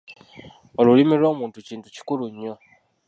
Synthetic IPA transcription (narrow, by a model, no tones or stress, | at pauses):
o̞lulimiɾo̞ːmuːntuciːntu̥ci̥kuluɲːo̞